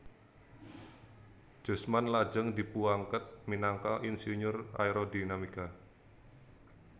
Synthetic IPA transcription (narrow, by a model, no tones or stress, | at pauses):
d͡ʒ̥ɔ̤smanlad͡ʒəŋdipuaŋkət̪̚minaŋkaʔinsiɲʊra̰iɾodinamika